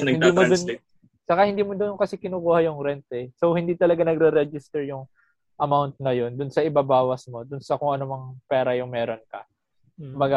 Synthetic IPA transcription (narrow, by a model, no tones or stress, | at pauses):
ɪnd̪iːmod̪ʊn | t͡ʃɐkahɪnd̪iːmod̪ʊnkɐsɛkɪnuːkuːhɐjʊŋɾɛnt̪ɛsowhɪnd̪iːt̪ɐlɐɡanɐɡɾɛɾɛd͡ʒɪst̪ɛɹjʊŋ | ʔɐmawnt̪̚nɐjo̞nd̪ʊnsɐʔɪbabaːwɐsmo̞d̪ʊnsɐkʊŋʔɐnomɐŋpɛːɾɐjʊŋmɛːɾonkɐ | ʊmbɐɡa